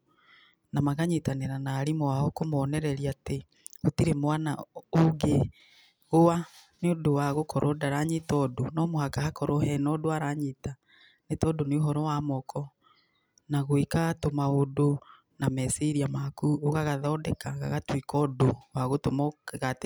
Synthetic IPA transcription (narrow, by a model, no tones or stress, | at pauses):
namaɣaɲetaneɾanaːɾimɔwaɔkomɔɔnɛɾɛɾiate | otiɾemwana̰oɡe | ɣoa | neodowaɣokɔɾʔɔdaɾaɲetɔdonɔmohakahakɔɾɔhɛnɔdoaɾaɲeta | netɔdoneoɦɔɾɔwamɔkʰɔ | naɣoikatomaodo | namɛsiɾiamakuoɣaɣaðɔːdɛkaɣa̰ɣatwikɔːdowaɣotomɔɣate